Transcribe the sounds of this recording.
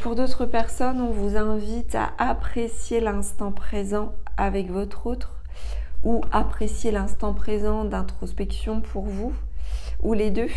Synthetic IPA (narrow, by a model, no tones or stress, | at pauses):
puʁd̪ot̪χəpɛʁsɔnɔ̃vuzɛ̃vit̪a̰ʔapχesjelɛ̃st̪ɑ̃pχezɑ̃avɛkvɔt̪χot̪χ | uapχesjelɛ̃st̪ɑ̃pχezɑ̃d̪ɛ̃t̪χɔspɛksjɔ̃pʰuʁvu | uled̪ø